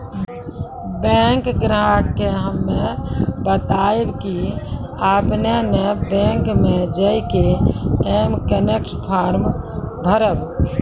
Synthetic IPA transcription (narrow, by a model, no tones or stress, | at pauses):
beŋkɡɾaʈkeɦəmːebət̪aebkiapnenebẽŋkmed͡ʒəjkeemkənekʈpʰaɾmbʱəɾəb